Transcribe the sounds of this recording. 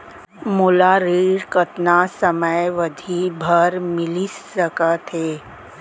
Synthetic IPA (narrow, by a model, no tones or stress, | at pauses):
mulaɾiːɾkət̪nasəməjʋəd̪ʱibʱəɾmɪlisːəkət̪ʰeː